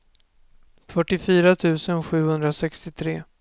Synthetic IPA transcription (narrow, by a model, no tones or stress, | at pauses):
fœʈːɪfyːɾat̪ʰʉ̟ːsənɧʉ̟ːhɵnd̪ɾasɛkst̪ɪt̪ʰɾeː